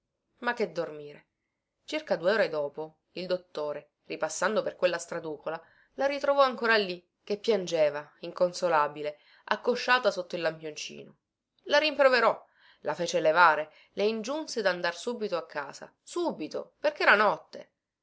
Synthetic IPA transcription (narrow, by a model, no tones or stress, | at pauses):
makːed̪ːormiːɾe | t͡ʃirkad̪ueoːɾed̪oːpo | ild̪ot̪ːoːɾe | ripasːand̪operkwelːast̪ɾad̪uːkola | laɾit̪ɾovɔaŋkoːɾalːi | k̟ːepːjand͡ʒeːvaiŋkonsolaːbile | akːoʃːaːt̪asot̪ːoilːampjont͡ʃḭːno | laɾimpɾoveɾɔ | lafɛːt͡ʃelevaːɾe | leind͡ʒunsed̪and̪arsuːbit̪oakʰːaːza̰ | suːbit̪o̰perk̟ɛːɾanɔt̪ːḛ